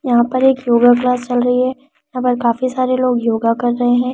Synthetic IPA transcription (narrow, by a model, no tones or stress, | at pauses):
jɐɦãpɐɾeːkjoːɡaklaːst͡ʃɐlɾɐɦiɦɛ | jɐɦãpɐɾkaːfisaːɾeloːɡjoːɡakɐɾːɐɦeɦɛ̃ː